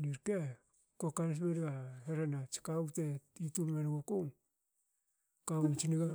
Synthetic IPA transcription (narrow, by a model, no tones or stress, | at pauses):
niɾke | kokans̬meɾiɡaheɾanat͡ʃi̥kauteituɾmenɡokuŋ | kawt͡ʃiniɡa